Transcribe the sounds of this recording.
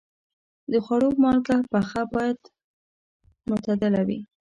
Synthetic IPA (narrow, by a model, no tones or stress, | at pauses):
d̪əxwaɽomɑlkapaxabɑjad̪ | mʊt̪ad̪ɪlawḭ